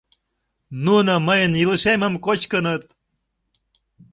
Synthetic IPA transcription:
nunoməjənjiləʃeməmkot͡ɕkənət̪̚

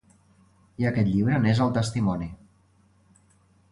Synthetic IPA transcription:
iəkɛt̪ʎiβɾənezəlˠt̪əst̪imɔni

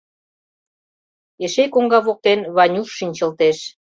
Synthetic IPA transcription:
eʃekoŋɡɑβok̚t̪enβɑnʲulʃinʲt͡ɕə̆lt̪eʃ

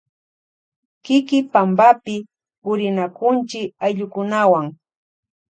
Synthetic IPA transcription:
kɪkɪpambapɪ | pʊɾɪnakʊnt͡ʃɪkajʎʊkʊnawaŋ

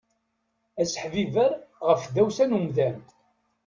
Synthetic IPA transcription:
æsə̥ħvivəɾʁəfðæwsænumðæn

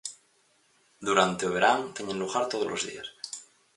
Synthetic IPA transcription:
d̪uɾant̪eoβ̞eɾaŋt̪eɲẽnluɣaɾt̪oð̞olʔo̰zðḭas

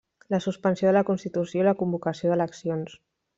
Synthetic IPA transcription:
ləsuspənsjoðələkunst̪it̪usjoiləkumbukəsioðələksions

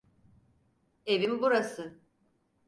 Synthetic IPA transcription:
e̞vimbuɾasɯ

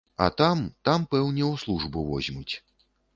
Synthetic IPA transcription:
ɐ̰t̪amt̪ampɛwnʲɛwslˠuʐbɨvɔzʲmut͡sʲ

